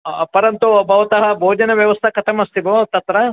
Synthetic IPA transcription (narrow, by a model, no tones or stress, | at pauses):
pɐɾɐnt̪ubʱɐʋɐt̪ɐɦɐbʱoːd͡ʒɐnɐʋjɐʋɐst̪ʰɐkɐʈʰɐmɐst̪iɡot̪ɐt̪ɾɐ